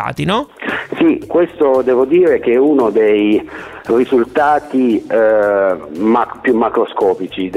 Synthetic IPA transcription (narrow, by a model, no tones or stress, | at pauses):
a̰ːt̪inɔsikwest̪od̪ɛːvod̪iːɾek̟eɛunod̪ej | rizult̪aːt̪i | mapjumːakɾoskɔːpit͡ʃi